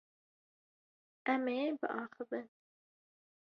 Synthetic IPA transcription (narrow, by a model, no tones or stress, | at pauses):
ɛmeebɨ̰ʔɑːxɨvɨn